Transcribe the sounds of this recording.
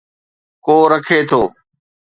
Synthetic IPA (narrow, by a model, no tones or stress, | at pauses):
koːɾɐkʰet̪ʰoː